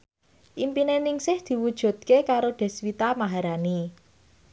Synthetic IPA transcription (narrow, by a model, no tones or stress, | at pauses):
ʔimpinenɪŋsɪhd̪̥i̤wud̥ʒ̥ṳt̪̚kekaɾoɖ̪̥ɛ̤swit̪amaɦaɾani